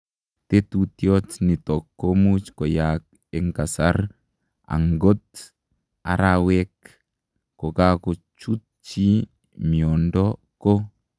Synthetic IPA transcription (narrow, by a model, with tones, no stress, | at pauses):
t̪e˦t̪ut̪jɔ˦t͡ʃni˨t̪ɔ˨kːomut͡ʃkɔ˨jak̚ | eŋka˨sar | a̰˨ŋɡo˦t̪ | a̰˨ɾawɛkː | o˨kako˨t͡ʃu˦t̚ | t͡ʃi˦ | miɔ˨ndɔ | ko˦